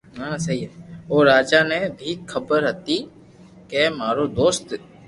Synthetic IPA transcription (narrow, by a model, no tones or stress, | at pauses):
ɦãːsɐɦiɦɛoːɾaːd͡ʒanebʱixʰɐbəɾɦət̪i | kemaːɾod̪oːst̪